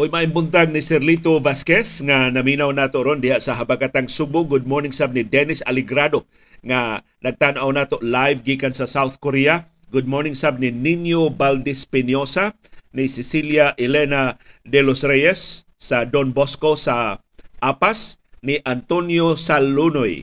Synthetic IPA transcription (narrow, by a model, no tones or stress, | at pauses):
ʔojmaʔɪmbʊnt̪aɡ̚nɪsɛɾlit̪ovaskɛsŋanɐminawnaːt̪oʔɾond̪ɪhaʔsaɦabakat̪aŋsubʊɡʊd̪̚moɹnɪŋsab̚nɪd̪ɛnɪsa̰lɪɡɾad̪o | ŋa | nɐɡ̚t̪anoʔawnaːt̪oʔlajvɡiːkansasawθkoɾia | ɡʊd̪̚moɹnɪŋsab̚nininjobald̪ɪspɪnjosa | nɪsɪsiljaʔɪlɛnad̪ɛlosɾɛjɛsː | ad̪onboskosa | ʔapasnɪʔant̪onjosalːunoj